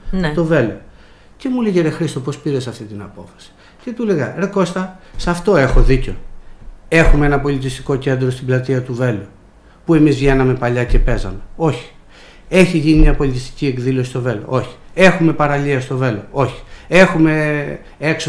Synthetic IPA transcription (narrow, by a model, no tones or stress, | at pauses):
nt̪o̞ve̞lo̞ | ce̞muleʝeɾexɾist̪o̞pospiɾe̞sɐft̪int̪inɐpo̞fɐ̥si̥ | ce̞t̪uleɣɐɾeko̞st̪ɐsɐft̪o̞e̞xoðico̞ | e̞xumeenɐpo̞lit̪̬ist̪i̥ko̞ce̞nd̪ɾo̞st̪iblɐt̪iɐt̪uve̞lu | pue̞mizvʝe̞nɐme̞pɐʎɐce̞pe̞zɐme̞o̞çi̥ | e̞çiʝinimɲɐpo̞lit̪̬ist̪i̥ciekðilo̞sist̪o̞ve̞lo̞̰ʔo̞çi̥e̞xume̞pɐɾɐliɐst̪o̞ve̞lo̞o̞çi̥e̞xume̞ | ekso